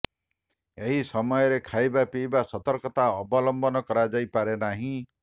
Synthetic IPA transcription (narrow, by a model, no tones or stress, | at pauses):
eɦisɔmɔjɔɾekʰajbapijbasɔt̪ɔɾkɔt̪aɔbɔlɔmbɔnɔkɔɾad͡ʒajpaɾenaɦĩ